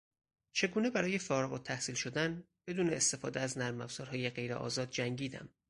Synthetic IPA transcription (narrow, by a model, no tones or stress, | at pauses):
t͡ʃʰe̞ɡuːne̞bæɾɒːje̞fɒːɾeɣot̪ʰːæhsiːlʃo̞d̪ænb̥e̞d̪uːne̞ːst̪e̞fɒːd̪eæznæɾmæbsɒːɾhɒːjeɢe̞jɾḛʔɒ̰ːzɒːd̪̚d͡ʒæŋɟiːd̪æ̰m